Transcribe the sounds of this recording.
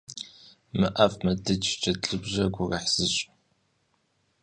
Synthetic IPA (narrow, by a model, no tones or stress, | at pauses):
mɨʔɐfmɐdɨt͡ʃʰʼt͡ʃʰʼɐt͡ɬʼɨbʑɐɡʷʊrɐħz̥ɨɕʼ